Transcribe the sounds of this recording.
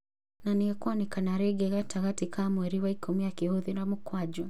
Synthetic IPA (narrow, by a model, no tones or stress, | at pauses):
naniɡekwɔnɛkanaɾeɡɛɣataɣatikʰaːmwɛɾiwaikʰomiakehoðiɾamukwad͡ʒɔ